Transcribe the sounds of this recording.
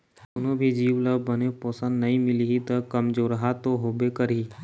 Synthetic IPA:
ʊnõbʱid͡ʒiːʋləbəneposə̃nd̪nɐɦĩmɪliɦit̪ɐkɐmd͡ʒoːɾəɦat̪oɦoːbekəɾiː

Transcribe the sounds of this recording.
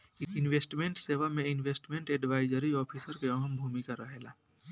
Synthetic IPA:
ɪnweːsʈmẽɳʈseːʋamẽɪnʋeːsʈmẽɳʈɛɖʋaːɪd͡ʒəɾiɔːpʰisəɾkeɔɦəmbʱuːmikaɾəɦelaː

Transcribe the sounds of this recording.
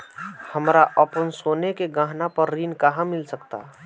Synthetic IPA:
həmɾaʔəpənsonekeɡãɦnapəɾːinkaɦãmɪlsəkt̪a̰

